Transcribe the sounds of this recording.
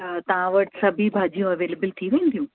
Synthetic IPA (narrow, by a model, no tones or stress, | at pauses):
ɐt̪ɐʋãʋɐʈsɐbʱibʱaːd͡ʑijũɐʋeːlebəlt̪ʰiʋẽːnd̪ʱijũ